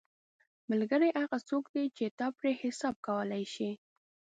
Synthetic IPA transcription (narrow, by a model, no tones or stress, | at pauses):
malɡəɾeʔaɣat͡sokd̪et͡ʃet̪ɑpɾehɪsɑb̚kawəlajʃi